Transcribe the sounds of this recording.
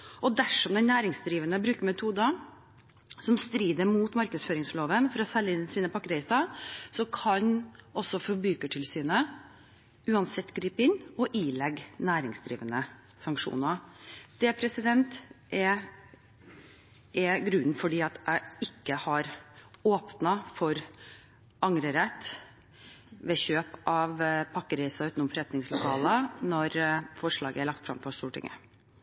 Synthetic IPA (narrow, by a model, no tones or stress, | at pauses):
ɔd̪æʂɔmd̪ɛnnæːɾɪŋsd̪ɾiːʋənəbɾʉːkəɾmɛt̪ʰuːd̪ɑ | sɔmst̪ɾiːd̪əɾmuːt̪mɑɾkəsføːɾɪŋsfɭoːʋənfɔɾɔsɛlːɪnsiːnəpʰɑkːɾeɪsɑsɔkʰɑɲɔsːɔfɔɾbʉːkəʈʰɪlsyːnə | ʔʉːɑnsɛt̪ːɡɾiːpɪnɔʔiːlɛɡnæːɾɪŋsd̪ɾḭːʋənə | sɑŋkʂṵːnɑd̪̥ɛpʰɾɛsɪd̪ɛnt̪ʔɛ | ʔɛɡɾʉnn̩fɔɖiːɑt̪ʰæɪɪkːəhɑɾoːpnɑfɔɾ | ʔɑŋɾəɾɛt̪ː | ʋeɕøːpʔɑʋpʰɑkːəɾɛɪsɑʉːt̪nʊmfɔɾɛt̪nɪŋslʊkʰɑːlənɔɾfɔʂɭɑːɡəæɭɑk̚t̪fɾɑ̰mfɔʂt̪uːʈɪ̰ŋə̰